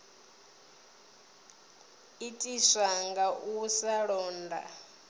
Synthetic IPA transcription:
itʼiʂaŋɡaʔusaɺɔːnda̰

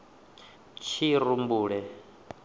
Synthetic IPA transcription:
t͡ʃʰiɾumbuːɺɛ

